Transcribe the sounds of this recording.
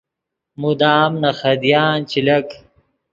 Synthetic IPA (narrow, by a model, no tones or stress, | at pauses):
mud̪aːmnɐxɐd̪ijaːnt͡ɕilɐk